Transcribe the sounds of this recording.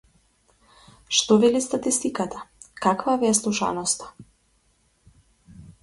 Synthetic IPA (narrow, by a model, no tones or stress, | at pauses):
ʃt̪ɔvɛlist̪at̪ist̪ikat̪ʰḁkakvavɛaslˠuʃa̰nɔst̪ḁ